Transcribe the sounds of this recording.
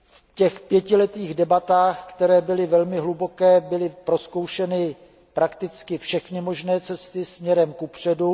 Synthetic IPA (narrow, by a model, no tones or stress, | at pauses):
f | cɛxpjɛcɪlɛt̪iːɣdɛbat̪aːxkt̪ɛɾɛːbɪlɪvɛlmɪɦlubo̞kɛːbɪlɪpɾo̞skowʃɛnɪ | pɾakt̪ɪt͡skɪfʃɛxnɪmo̞ʒnɛːt͡sɛst̪ɪsmɲɛɾɛmkupr̝̥ɛdu